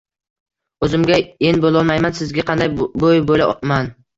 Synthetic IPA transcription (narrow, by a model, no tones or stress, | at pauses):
ɵzɪmɡʲaenbolˠɒlˠmajmansɪzɡʲaqʰɑnd̪ajbojbolaman